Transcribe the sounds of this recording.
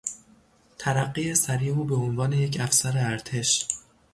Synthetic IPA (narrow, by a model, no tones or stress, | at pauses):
t̪ʰæɾæɢːiːesæɾiːuːbe̞onvɒːne̞je̞cʰæfsæɾeæɾt̪ʰe̞ʃ